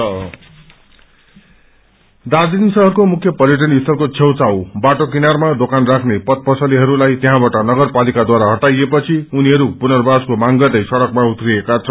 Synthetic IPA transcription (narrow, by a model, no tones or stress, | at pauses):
d̪ad͡zinsʌɦʌrkomukʰjʌpʌɾjʌʈ̬ʌniist̪ʰʌrkot͡sʰewt͡sawbaʈokinarmad̪okanrakʰnepʌt̪̚pʌsʌliɦʌɾulajt̪eɦãbaʈʌnʌɡʌrpalikad̪waɾaɦʌʈajepʌt͡sʰiuniɦʌɾupunʌrbaskomaŋɡʌd̪ʌjsʌɽʌkmaut̪riekat͡sʰʌn